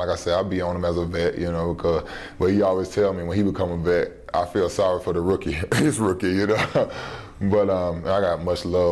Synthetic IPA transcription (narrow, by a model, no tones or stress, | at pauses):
laɪkaɪsɛaɪlˠbiə̃nɨ̃mɨzəvɛʔjʔɨnoʊbəkʰʌz̥ | b̥ʌt̚hiɔlˠwiz̥tʰɛlˠmiwə̃nibɨkʰʌ̃məvɛt̚ | ʔa̰ɪfilˠsɑɹifə˞ðəɹʊkiɪsɹʊkijɨnoʊ | bʌɾʌ̃mə̃naɪɡɑt̚mʌt͡ʃlʌ